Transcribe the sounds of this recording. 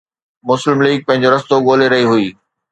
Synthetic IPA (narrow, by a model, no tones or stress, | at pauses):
mʊslɪmliːɡ̚pɐ̃ɦɪ̃ɲd͡ʑoɾɐst̪oɠoːleɾɐɦiɦʊiː